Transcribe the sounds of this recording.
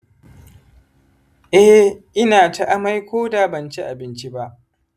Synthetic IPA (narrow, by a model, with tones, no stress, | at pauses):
ʔɛ˦hʔɪ˦naː˨ta˦ʔa˦ma˦jkʷoː˦daː˨bɐ˨nt͡ʃi˦ʔa˨bɪ˦nt͡ʃi˦ba˦ʔ